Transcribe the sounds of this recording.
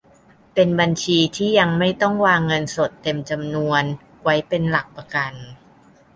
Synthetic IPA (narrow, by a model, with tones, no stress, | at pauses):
pe˧nba˧nt͡ɕʰiː˧t̪ʰiː˥˩ja˧ŋma˥˩jt̪ɔ˥˩ŋwaː˧ŋːɤ˧nso˨˩t̪ːe˧mt͡ɕa˧mnu˧ən | wa˦˥jpe˧nla˨˩k̚pa˧ka˧n